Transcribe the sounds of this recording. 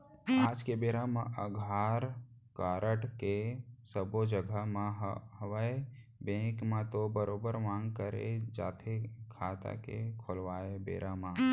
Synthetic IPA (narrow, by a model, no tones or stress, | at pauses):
aːd͡ʒkebeːɾamãʔəɡʱaːɾ | kaːɾʔəʈkesəbod͡ʒəɡʱəmãɦɦəʋəe | bẽːkmãt̪obəɾoːbəɾmãːŋɡkəɾḛd͡ʒa̰ːt̪ʰekʰaːt̪a̰kḛkʰolʋaːebḛːɾʔãmãː